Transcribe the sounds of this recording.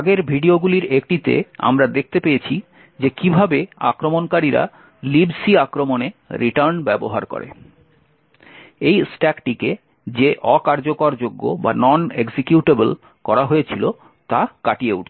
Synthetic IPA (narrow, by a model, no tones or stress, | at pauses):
aɡeɾbʱiɖioɡuliɾek̚ʈit̪ḛa̰mɾad̪ek̚ʰt̪epejet͡ɕʰi | d͡ʑekibʱabea̰kɾomonkaɾiɾa̰ | libsiakɾomoneɾiʈaɾnbɛbo̰ɦa̰ɾko̰ɾḛ | ejsʈɛkʈike | d͡ʑeʔɔkaɾd͡ʑokoɾd͡ʑoɡːo̰ba̰nɔneksekjuʈebel | kɔɾaɦoet͡ɕʰilo | t̪akaʈieṵʈ